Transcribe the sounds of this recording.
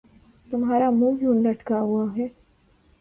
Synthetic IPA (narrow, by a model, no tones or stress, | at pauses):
t̪ʊmɦaːɾamũːjuːnləʈkaɦuaɦɛː